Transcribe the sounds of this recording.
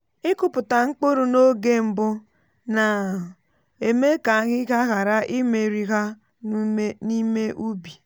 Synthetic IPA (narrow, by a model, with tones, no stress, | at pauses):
ɪ˦kʊ˦pʊ˨ta˨ŋ͡m̩˦k͡po˦ɾu˨no˦ɡe˦m̩˨bʊ˦ | na˨ | e˨me˦ka˨˦ɣɪ˦ɣa˦ɣa˨ɾa˦ʔi˦me˨ɾi˨ɣa˦ | ni˦me˦ʔu˦bi˨